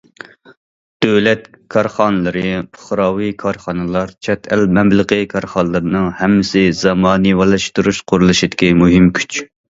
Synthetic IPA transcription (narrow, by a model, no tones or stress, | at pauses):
d̪̥øwlɛt̪kʰɑɾχɑnɨlˠɨɾɨpʰʊ̥χɾɑːwikʰɑɾχɑnɨlˠɑɾt͡ʃʰɛt̪ʰɛlmɛmləqɨkʰɑɾχɑnəlˠɨɾɨnɨŋhɛmːɪsɪzɑmɑːnɨwɑlˠɑʃt̪uɾuʃqʰʊɾulˠɨʃid̪ɪkʲimuɦɪmkʲʰy̥t͡ʃ